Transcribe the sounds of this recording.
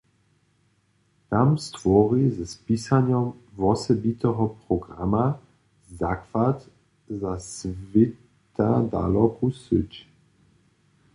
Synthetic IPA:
t̪amst̪vɔʁizɛspiːsanjɔmvɔsɛbit̪ɛɦɔpʁɔɡʁa̰ma | zakvat̪ | zasvɪ | t̪ad̪a̰lɔkusɪt͡ʃ

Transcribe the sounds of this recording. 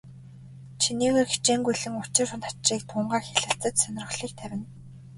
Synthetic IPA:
t͡ɕʰiniːɣeːrxi̥t͡ɕeːŋɡujɮɘ̆ŋʊt͡ɕɪ̆rxʊ̆nt̪ḁt͡ɕriːkt̪ʰʊːɴɢaːxeɮɘ̆ɬt͡sə̆t̪sœnʲɪ̆rə̆ɮiːk̚t̪ʰæwʲɪ̆n

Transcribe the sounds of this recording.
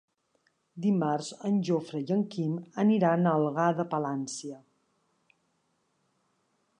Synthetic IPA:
d̪imarzənʲʒofɾəjəŋkiməniɾanəlˠɣaðəpəlansiə

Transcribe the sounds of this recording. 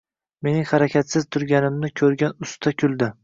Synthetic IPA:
me̞nɪŋhaɾakʲʰat̪sɪz̥t̪ʰʊɾɡʲanɪmnɪkʲʰɵɾɡʲanʊst̪ʰakʲʰʊlˠd̪ɪ

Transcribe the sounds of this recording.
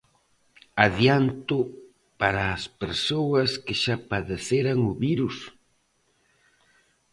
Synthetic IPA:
aðjant̪ʊ | paɾaːspeɾsowɐskɪʃapaðeθeɾaŋʊβiɾus

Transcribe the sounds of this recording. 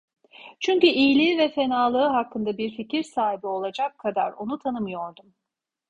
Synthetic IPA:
t͡ʃʰyɲcyʔijlʲiːvɛfe̞naːlˠɯɯɦakːɯnd̪abiɾficiɾsaːɦibio̞lˠad͡ʒakʰad̪a̰ɾo̞nut̪ʰanɯmɯjo̞ɾd̪um

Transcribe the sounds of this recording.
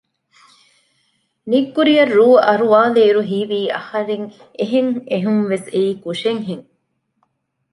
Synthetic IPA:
nikːuɾijɐrːuːɐɾuʋaːleːɾuɦiːʋiːɐ̰hɐɾeŋ | eɦeŋeɦumʋeseiːkuʃeŋɦeŋ

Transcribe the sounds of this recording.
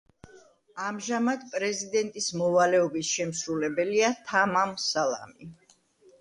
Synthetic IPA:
amʒamad̪pʼɾɛzid̪ɛnt̪ʼismɔvalɛɔbisʃɛmsɾulɛbɛliat̪ʰamamsalˠa̰mi

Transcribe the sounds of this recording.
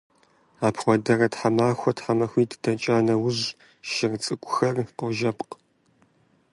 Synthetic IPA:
aːpʰχʷɔdɐrɐtħamaːxʷɔtħamɐxʷiːddɐt͡ʃʼaːnɐwʊʑ | ʃɪrt͡sʼɨkʷʼʊxɐrqɔʒɐpq

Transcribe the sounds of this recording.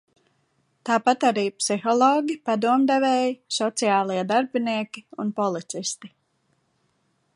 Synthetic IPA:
t̪aːpat̪aɾiːpsixɔlˠɔːɡʲipad̪uɔmd̪ɛvɛːjisɔt̪sijaːlˠiɛd̪aɾbiniɛkʲiunpɔlˠit̪sist̪i

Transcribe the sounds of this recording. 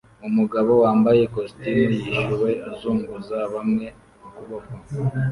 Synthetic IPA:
umuɡaβo̞waːmbaje̞kostinijiʃuwe̞azuːŋɡuzaβamŋe̞ | akuβoko

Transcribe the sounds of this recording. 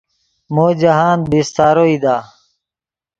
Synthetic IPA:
moːd͡ʑəɦaːnbist̪aːɾoːid̪aː

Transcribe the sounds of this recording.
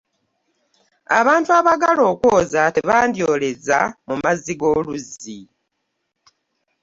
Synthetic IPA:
a̰βaːntuaβaɡalo̞ːkwoːzateβaːndjo̞ːle̞zamumaziɡo̞ːluzi

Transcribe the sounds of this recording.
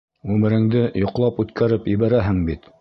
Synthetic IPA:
ʉmɘ̆ɾɘ̆ŋd̪ɘjŏqlˠɑpʉt̪kʰæɾɘpiβæɾæɦɘŋbit̪

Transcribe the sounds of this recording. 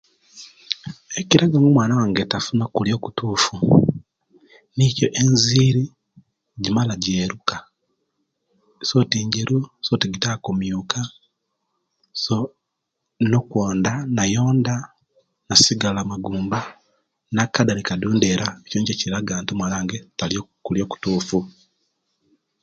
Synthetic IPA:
eciɾaɡamumwaːnawaːŋɡetafunakuljo̞ːku̥tuːfu | nicoʔenziɾi | ɟimalaɟeːɾuka | sotiːɲɟeɾusotiɡitakomjuka | so | nokwoːndanajoːnda | nasiɡalamaɡuːmba | nakːadaɾikaduːndeɾaecoːɲɟeciiɾaɡaːntumwalaːŋɡetaljokuljo̞ːku̥tuːfu

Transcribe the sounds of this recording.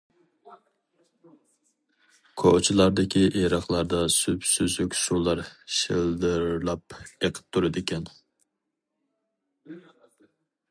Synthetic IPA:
kʰot͡ʃʰilˠɑɾd̪ɪkʲʰiʔeɾɑχlˠɑɾd̪ɑsypsyzykʲsulˠɑɾʃɪlˠd̪ɨɾlˠɑp̚eqʰə̥p̚t̪ʰuɾɨd̪ɪkʲɛn

